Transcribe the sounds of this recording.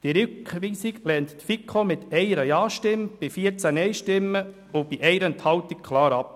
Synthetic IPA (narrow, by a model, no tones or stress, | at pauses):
d̥iɾʏkʋiːsiɡlɛːnt̪tfikʰχomɪt̪ɛɪəɾəjɑːʃtɪmb̥ifiəɾt͡sænɛɪʃtɪmːə | ʊb̥iʔɛɪɾənt̪hɑwt̪ik̚kʰlɑːɾɑp̚